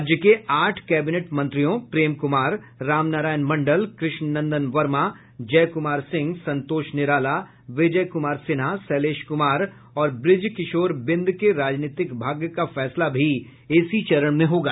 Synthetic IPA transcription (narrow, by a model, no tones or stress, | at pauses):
d͡ʒjəkeaːʈʰkɛːbɪneʈmɐ̃nt̪ɾijõpɾeːmkʊmaːɾː | aːmnaːɾaːjənmɐ̃ɳɖəlkɾɪʃnnɐ̃nd̪ənʋɐɾma | d͡ʒɛːkʊmaːɾsɪ̃ŋɡsɐ̃nt̪oːʃnɪɾaːla | ʋɪd͡ʒəjkʊmaːɾsɪnasɛːleːʃkʊmaːɾ | ɔːɾbɾɪd͡ʒkɪʃoːɾbɪ̃nd̪ʱkeɾaːd͡ʒniːt̪ɪkbʱaːɡjkafɛːslabʱi | ɪsit͡ʃɐɾəɽ̃mẽɦoːɡaː